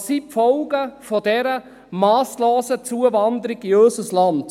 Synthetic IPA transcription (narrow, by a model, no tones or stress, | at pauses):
sipfɔlɡəfɔd̥ɛɾə | mɑːsloːsət͡suəvɑnd̪əɾɪɡiøsəslɑnt